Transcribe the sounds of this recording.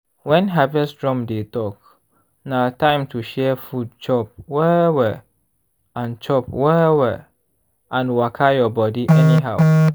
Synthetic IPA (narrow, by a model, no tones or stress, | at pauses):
wɛ̃nɦabɛsdɹɔ̃mdetɔk̚ | natãɪ̃mtʰuʃɛfud̚t͡ʃɔp̚wɛwɛ | ãnt͡ʃɔpwɛwɛ | ʔãnwakʰajɔbɔdiʔɛniɦaʊ